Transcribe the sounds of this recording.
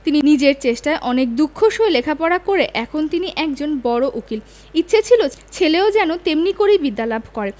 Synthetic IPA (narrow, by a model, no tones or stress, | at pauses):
t̪ininid͡ʑeɾt͡ɕeʃʈaeʔɔnek̚d̪ukʰːoʃoelekʰapɔɽakoɾeʔɛkʰont̪iniʔɛk̚d͡ʑonbɔɽoʔukil | itːɕʰet͡ɕʰilot͡ɕʰeleod͡ʑɛnot̪emnikoɾibid̪ːalabʱkɔɾe